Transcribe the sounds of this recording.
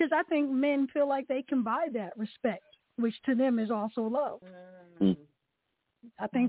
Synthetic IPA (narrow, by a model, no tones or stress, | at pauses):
ʌzaɪθɪ̃ŋk̚mɛ̃nfilaɪk̚ðeɪkʰɨ̃nbaɪðɨt̚ɹɨspɛk̚t̚ | wɨt͡ʃtʰɨðɨ̃mɨzɔlˠsoʊlʌv̥ | aɪθɪ̃ŋ